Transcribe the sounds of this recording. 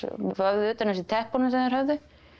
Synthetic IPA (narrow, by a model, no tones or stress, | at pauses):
vœvðʏʏːt̪anɛsɪt̪ʰɛhpɔnɪnsɛmðɛɾhœvðʏ